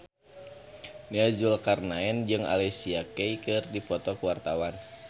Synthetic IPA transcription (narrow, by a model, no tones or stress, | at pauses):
niazulkarnaɛnd͡ʒɨŋa̰lɛsiakɛikɨrdipɔt̪ɔkuwart̪awan